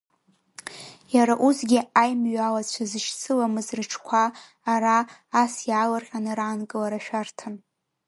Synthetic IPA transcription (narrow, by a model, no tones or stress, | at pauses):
jaɾaʔusɡʲiajmɥalat͡ɕʷʰazɨʃt͡sʰɨlamɨzrɨʈ͡ʂʰkʷʰaː | ɾaːsjaːlarχʲʼanɨɾaːnkʼɨlaɾaʃᶣartʰan